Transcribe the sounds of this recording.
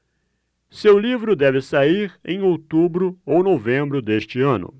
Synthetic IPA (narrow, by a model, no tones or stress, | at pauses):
sewlivɾʊd̪ɛvɪsaiɾḛ̃j̃owt̪ubɾʊownovẽmbɾʊd̪eʃt͡ʃɪɐ̃nʊ̰